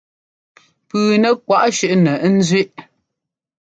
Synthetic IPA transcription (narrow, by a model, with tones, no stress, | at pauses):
pʉː˨nɛ˨kwa˦˨ʔʃʉ˦˨ʔnɛ˨˦n̩˦zɥe˦ʔ